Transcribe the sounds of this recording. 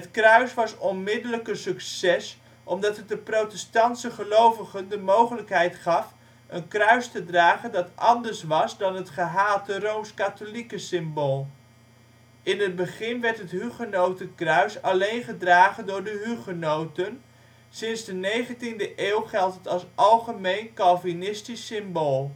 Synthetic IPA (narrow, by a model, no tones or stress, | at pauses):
ɦətkrœɥsʋɑsɔnmɪdələkəsyksɛs | ʔɔmdɑtət̚dəprowtɛstɑnsəχəlowvəχəndəmowχələkɦɛjtχɑf | ənkrœɥstədraːχəndɑtʔɑndəɹsʋɑsdɑnɦətχəɦaːtərowmskatolikəsɪmboːlˠ | ʔɪnɦəd̚bəχɪnʋɛɹtɦətɦyχənowtəkrœɥsɑlejnχədraːχəndʊːɹdəɦyχənowtən | sɪnzdənejχəntindəʔeːwχɛlˠtɦətɑlˠsʔɑlˠχəmejnkɑlˠvinɪstisːɪmboːlˠ